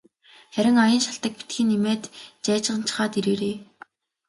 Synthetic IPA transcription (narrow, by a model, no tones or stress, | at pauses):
χæɾʲɪ̆ŋɔjə̆nʃaɬt̪ə̆k̚pi̥t̪xĭːnimeːt̪t͡ɕæːt͡ɕʁə̆nt͡ɕʰɪ̥̆χaːt̪iɾeːɾeː